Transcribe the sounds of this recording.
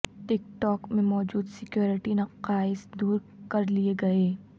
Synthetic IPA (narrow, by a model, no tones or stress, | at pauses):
ʈɪk̚ʈɔːkmẽmɔːd͡ʒuːd̪sɪkjoːɾɪʈinɐqaːɪsd̪uːɾ | kɐɾlieɡɐeː